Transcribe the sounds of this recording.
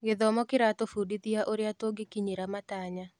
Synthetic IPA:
ɡɪðɔmɔkɪɾatofudit̪iaʔoɾjatoɡɪkiɲeɾamataɲa

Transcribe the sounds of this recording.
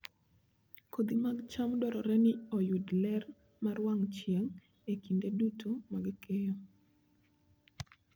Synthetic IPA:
kʰod̪imaɡt͡ʃamdɔɾɔɾɛnɪɔjudlɛr | maɾwaŋt͡ʃjeŋ | ekindedutʰomaɡkɛjɔ

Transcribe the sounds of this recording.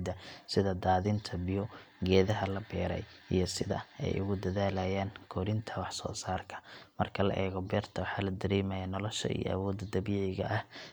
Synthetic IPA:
d̪ɐsɪðɐd̪aːðɪnt̪ʰɐbɪjɔɡɛːðɐɦɐlɐbɛːɾɛ̰j | ʔḭjɞsɪðɐ̰ɛ̰jʔʊ̰ɣʊd̪ɐðaːlajaːŋkʰɔːɾɪnt̪ʰɐwɑħsɔ̰ːsaːrkʰɐ̥mɐrkʰɐlɐ̰ʔɛːɣɔbɛːrt̪ʰɐwɑħɑːlɐd̪ɐɾɛːmɐjanɔlɔʃɐ̰ḭjɔ̰ɐ̰wɔːd̪d̪ɐbiːʕʕɪjɣɐ̰ʔɐh

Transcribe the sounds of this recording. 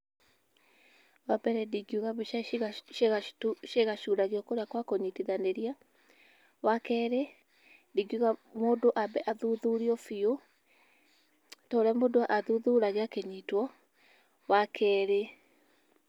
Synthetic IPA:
wabɛɾɛdiɡiuɣaβeʃaɣʃeɣaʃuɾaɣiɔkoɾeakwakoɲitiðaneɾia | wakɛːɾe | diɡiuɣamoːdoʔabɛʔaðuðuɾiɔfio | tɔɾɛmodoaʔaðuðuɾaɣeakeɲitwɔ | wakʰɛːɾe

